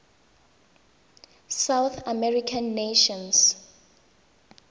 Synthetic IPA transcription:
sawθamɛɹikʰãnːeʃɔ̃ns

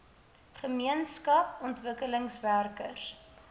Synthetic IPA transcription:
χəmiənskɐpɔntvəkələŋsværkə̰s

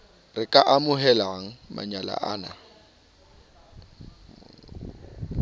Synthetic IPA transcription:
rɪkʼaʔamʊɦɛlaŋ̩ma̰ɲala̰ʔaːna̰

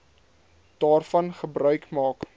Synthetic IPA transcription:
d̥ɑːrfɐnχəbrœɥkmɑːk

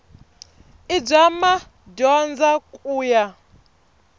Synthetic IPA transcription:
id͡ʒama | dɔnd͡zakʼuːja

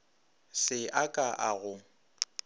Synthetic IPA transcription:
sɪʔakʼaʔaɣʊ

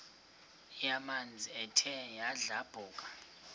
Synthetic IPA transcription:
ijamand͡zʱiɛtʰɛjaɮab̥ʱuːkʼḁ

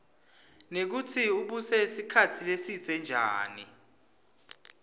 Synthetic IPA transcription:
nek̬utʰiuɓusɛisikʰatʰilesizɛnd͡ʒʱa̰ːni

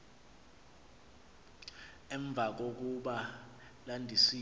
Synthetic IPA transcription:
ɛɱb̪vʱak̬ʼok̬uɓa | landʱisi

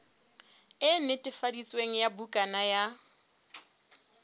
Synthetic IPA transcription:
ɪnɪtʼɪfadit͡sʼweŋ̩jabukʼanaja

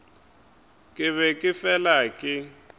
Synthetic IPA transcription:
kʼɪβɛkʼɪfɛlaːkʼɪ

